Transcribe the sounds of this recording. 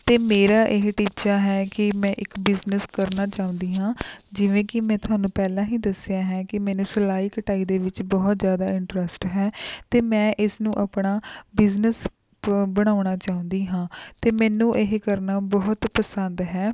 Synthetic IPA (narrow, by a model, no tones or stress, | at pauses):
t̪eːmeːɾaːʔɪɦʈiːt͡ʃaːɦɛːkɪmɛ̃ːʔɪkbɪznəskəɾnaːt͡ʃaːʊ̃nd̪iːɦãːd͡ʒɪʋẽːkɪmɛ̃ːt̪ʊaːnũːpɛːlãːɦĩːd̪əsɪjaːɦɛ̃ːkɪmɛːnẽːsəlaːiːkəʈaːiːd̪eːʋɪt͡ʃbɔːt̪zjaːd̪aːɪ̃ɳʈɾəsʈɦɛːt̪eːmɛ̃ːʔɪsnũːʔapɽaːbɪznəs | bəɽ̃aːʊɳ̃aːt͡ʃaːʊ̃nd̪iːɦãːt̪eːmɛːnũːʔɪɦkəɾnaːbɔɦʊt̪pəsənd̪ɦɛː